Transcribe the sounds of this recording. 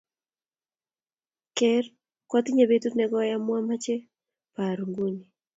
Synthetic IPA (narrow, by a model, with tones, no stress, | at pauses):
kɛr | kwat̪ɪɲa˨bet̪u˦tnɛɡɔja˦mwa˦mat͡ʃe˦ | pa˨ɾu˨ŋɡu˦ɲi˨